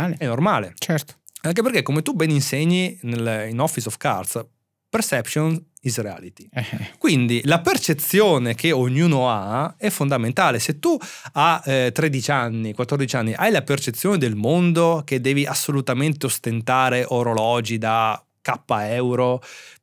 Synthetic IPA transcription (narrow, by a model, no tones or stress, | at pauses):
alɛnːormaːlet͡ʃɛɾt̪o̥aŋk̬epeɾrk̟ekːomet̪ubɛninseɲːinelinɔfːisɔfka̰ɾt̪s | persɛpʃon | izrea̰ːlit̪i̥ɛkwind̪ilapert͡ʃet̪sːjoːnek̟eoɲːuːnoaɛfːond̪ament̪aːleset̪ːuat̪ːɾed̪it͡ʃanːikwat̪ːɔrd̪it͡ʃanːiʔajlapert͡ʃet̪sːjoːned̪elmond̪ok̟ed̪ːɛːviʔasːolut̪ament̪eost̪ent̪aːɾeʔoɾolɔːd͡ʒid̪a | kapːaɛwɾo